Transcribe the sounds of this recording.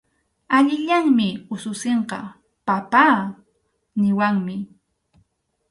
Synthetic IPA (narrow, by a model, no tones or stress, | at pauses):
aʎɪʎaŋmɪʊsʊseɴqɑ̰ | papaː | nɪwaŋmɪ